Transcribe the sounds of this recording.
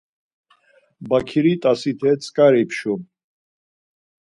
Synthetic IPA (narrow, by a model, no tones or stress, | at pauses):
bakʰiɾit̪ʼasit̪ʰɛt͡sʼkʼaɾipʰʃu